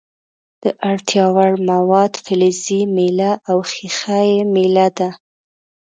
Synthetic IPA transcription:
d̪̥əʔaɽt̪jɑwaɽmawɑd̪fɪlizimelaʔawxixajemelad̪a

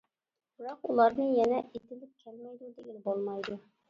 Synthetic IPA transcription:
b̥ɨɾɑqulˠɑɾnɨjɛnɛʔet̪ɪlɪp̚kʲʰɛlmɛjd̪ud̪ɪɡʲɛnbolˠmɑjd̪u

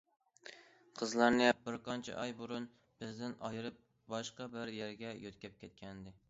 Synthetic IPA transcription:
qʰəzlˠɑɾnɨbɪɾqɑnt͡ʃʰɛ̰ʔɑjbuɾun | b̥ɪzd̪ɪnɑjɨɾɨp̚ | bɑʃqɑbɪɾjæɾɡʲɛjot̪kʲɛp̚kʲʰɛt̪̚kʲʰɛnd̪ɪ

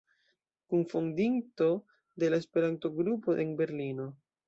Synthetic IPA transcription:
kunfondinto̞ | de̞laespe̞ɾant̪o̞ɡɾupo̞ʔenbe̞ɾlino̞

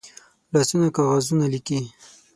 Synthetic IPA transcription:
lɑsunakɑɣazunaliki

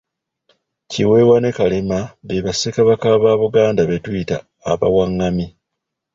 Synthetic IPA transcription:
ciwe̞wane̞kalemaβeβasekaβakaːβaːβuɡaːndaβe̞twitaː | βa̰waŋːami

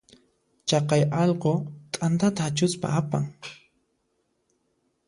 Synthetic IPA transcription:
t͡ʃɑqɑjɑʎqot̪ʼant̪at̪aːt͡ʃʊspa̰apa̰ŋ

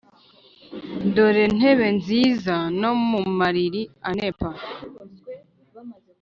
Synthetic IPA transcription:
ndo̞ɾe̞n̥e̞βe̞nziːzano̞mumaɾiɾianepa

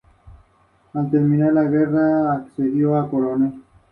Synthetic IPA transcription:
ant̪emĩnalaɣeraːkseðioakoɾone

